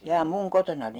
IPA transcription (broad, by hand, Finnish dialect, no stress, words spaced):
jɑː muŋ kotonɑni